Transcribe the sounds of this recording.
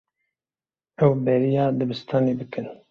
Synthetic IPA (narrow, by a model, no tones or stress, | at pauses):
ɛwbɛɾijɑːd̪ɨbɨst̪ʰɑːneːbɨkɨn